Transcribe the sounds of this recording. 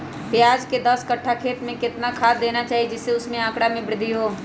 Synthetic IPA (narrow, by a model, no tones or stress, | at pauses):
pjjaːd͡ʒked̪ɐskɐʈʰːakʰeːt̪mẽkɪt̪nakʰaːt̪̚d̪eːnat͡ʃaːɦied͡ʒɪsːeʊsmẽãːkɽamẽbɾɪd̪ʱːiɦoː